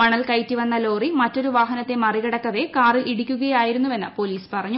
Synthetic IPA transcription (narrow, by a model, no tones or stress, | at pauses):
ɐɳɐlkɐjtːiʋɐnːɐlo̞ːrimɐtːo̞ɾuʋaːɦɐnɐt̪ːe̞mɐriɣɐɽɐkːɐʋe̞kaːriliɽikʲːuɣɐjaːjiɾunːuʋe̞nːɐ̰po̞ːliːspɐrɐɲːu